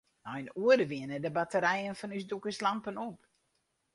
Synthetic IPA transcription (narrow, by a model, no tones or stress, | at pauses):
nɔjnuədəʋɪənədəbatəɾɛjənfɔnysdukəslampənop